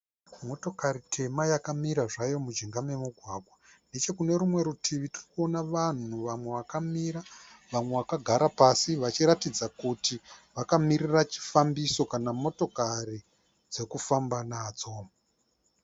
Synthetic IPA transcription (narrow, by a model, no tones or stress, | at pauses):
mo̞to̞kaɾitʰe̞majakamiɾaʐajo̞mud͡ʒiŋɡame̞muɡʱwaɡʱwa | nde̞t͡ʃe̞kune̞ɾumwe̞ɾutʰiʋitirikuo̞naʋan̤uʋamwe̞ʋakamiɾaʋamwe̞ʋakaɡʱaɾapasiʋat͡ʃiɾatid͡zakutiʋakamirirat͡ʃi̥fambiso̞kanamo̞to̞kari | d͡ze̞kufambanaːd͡zo̞